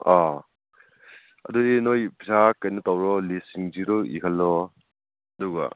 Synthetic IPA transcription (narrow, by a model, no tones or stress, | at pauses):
a | ɐ̰dudinojbizakːajnɯtawɾɔlisiŋziɾɔḭkʰalːɔ | ɐduɡa̰